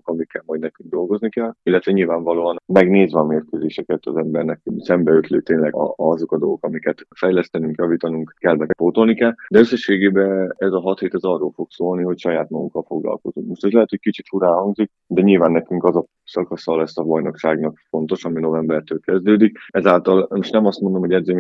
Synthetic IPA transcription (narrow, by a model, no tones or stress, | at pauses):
kɒmikːɛlmɒjd̪nɛkyŋɡ̚d̪o̞lɡo̞znikɛlilːɛt̪ʋɛɲilvaːɱvɒloːɒnmɛɡneːzvɛɒmeːrkøzeːʃɛkɛt̪ɒ̰zɛmbɛrnɛksɛmbɛøt̪løːt̪eːnlɛ̰ɒzo̞kɒd̪o̞lɡokɒmikɛt̪fɛjlɛst̪ɛnyŋkjɒviːt̪ɒnuŋkkɛlmɛfoːt̪o̞lnikɛld̪ɛøsːɛʃːeːɡeːbɛɛzɒɦɒt̪heːt̪ɛzɒrːoːlfo̞ksoːlniɦo̞cʃɒjaːt̪mɒɡṵŋkːɒlfo̞ɡlɒ̰lko̞zuŋkmo̞ʃt̪ɛzlɛɦɛt̪hoc̚kit͡ʃit̪fuɾaːɦɒŋɡzik̚ | d̪ɛɲilvaːnːɛkyŋkɒzɒ | sɒkɒsɒlɛsːɒbɒjno̞kʃaːɡnɒkfo̞nt̪o̞ʃɒmino̞vɛmbɛrt̪øːlkɛzd̪øːd̪ikɛzaːlt̪ɒlmoʃt̪nɛmɒst̪mo̞nd̪o̞mho̞ɟɛd̪zeːm